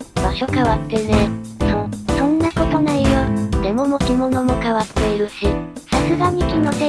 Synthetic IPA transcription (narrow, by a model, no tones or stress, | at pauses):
baɕo̞kaβat̪ːe̞nesõsõ̞nːako̞t̪o̞naiɾod̪emo̞mokʲimo̞no̞mo̞kaβat̪ːe̞iɾɯ̟ɕisasɨɡaɲ̟ikʲino̞t̪e